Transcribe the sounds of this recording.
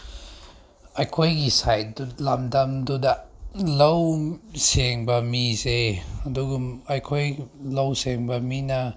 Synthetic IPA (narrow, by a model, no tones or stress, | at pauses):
ajkʰajɡisaj̚dulamdamdudalowseŋbamizeaduɡumajkʰɔjlowseŋbamina